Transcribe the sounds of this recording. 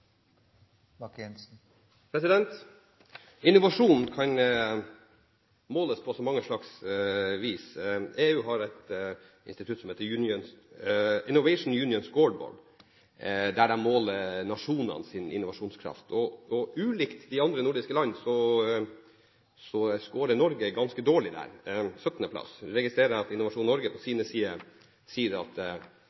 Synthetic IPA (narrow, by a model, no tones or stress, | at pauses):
mɑkɛnsn̩ | pʰɾɛsɪd̪ɛnt̪ | ɪnʊʋɑʂuːnn̩kʰɑn | moːləspʰɔsɔmɑŋːəʂɭɑksʋiːseːʉːɦɑɾɛɪt̪ | ʔɪ̰nst̪ɪt̪ʉt̪sɔmheːt̪əjʉnɪən | ɪnːʊʋɛɪʂn̩jʉːnɪɔnsɡɔːɖbɔ̰ːɖ | d̪æɖɛnmoːlənɑʂuːnə̰nsɪnɪ̰nːʊʋɑʂuːnskʰɾɑ̰ft̪ʰɔɔʉːlikt̪d̪ɪɑnd̪ɾənʊɖɪskəlɑnːsɔ | sɔskoːɾənɔɾɡəɡɑnskəd̪oːɭɪd̪æ̰ɾsœt̪nəpʰlɑ̰sɾɛɡɪst̪ɾeːɾəɾɑt̪ɪnːʊʋɑʂuːnːɔɾɡəpʰɔsiːnəsiːə | siːəɾɑ̰t̪